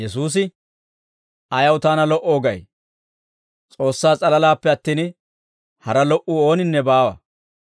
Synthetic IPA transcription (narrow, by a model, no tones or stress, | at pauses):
jɛsuːs̬ɪ | ɐjɐwt̪aːnɐlɔʔo̞ːɡɐj | t͡sʼo̞ːsːaːt͡sʼɐlɐlaːpːɛɐt̪ːiːn | hɐɾɐlɔʔuo̞ːnɪnːɛbaːwɐ̰